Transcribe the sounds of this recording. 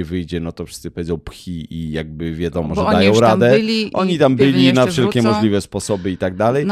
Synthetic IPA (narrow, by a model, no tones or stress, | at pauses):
vɘjd͡ʑɛnɔt̪ɔfʂɘ̥st̪ɘpɔvʲɛdzɔ̃w̃pxʲiijaɡ̚bɘvʲjad̪ɔmɔʐɛdajɔ̃w̃ɾad̪ɛiʔɔɲit̪ambɘlʲinafʂɛlkʲɛmɔʐlʲivɛspɔsɔbɘit̪aɡ̚d̪alɛj